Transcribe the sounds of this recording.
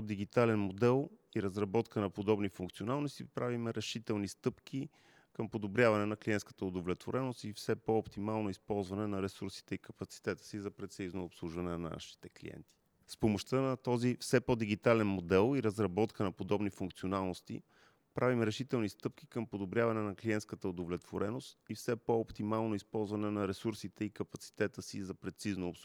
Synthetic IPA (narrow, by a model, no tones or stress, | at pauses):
d̪iɡit̪alɛnmod̪ɛlˠiɾɐzɾɐbɔt̪kənɐpod̪ɔbnifuŋk̚t̪sionalˠnost̪ipɾavimɛɾɛʃit̪ɛlˠnist̪ɤpkʰʲi | kɤmpod̪obɾʲjavɐnɛnɐkliɛnt̪skə̥t̪əod̪ovlɛt̪voɾʔɛnost̪ifsɛpɔopt̪imalˠnoispɔlˠzvɐnɛnɐɾɛsuɾsi̥t̪ɛikəpɐt̪si̥t̪ɛt̪ə̥sizɐpɾɛt̪sɛiznoːpslˠuʒvɐnɛnna̰ʃi̥t̪ɛklḭɛ̰nt̪i̥ | spomoʃt̪ənɐt̪ɔzifsɛpɔd̪iɡ̟it̪alɛnmod̪ɛlˠiɾɐzɾɐbɔt̪kənɐpod̪ɔbnifuŋkt̪sionalˠnost̪ḭ | pɾʔavimɾɛʃit̪ɛlˠnist̪ɤp̚k̟ʲi̥kɤmpod̪obɾʲjavɐnɛnɐkliɛnt̪skət̪əod̪ovlɛt̪voɾɛnost̪ifsɛpoːpt̪imalˠnoispɔlˠzvɐnɛnɐɾɛsuɾsit̪ɛikəpɐt̪si̥t̪ɛt̪əsizɐpɾɛt̪siznoːps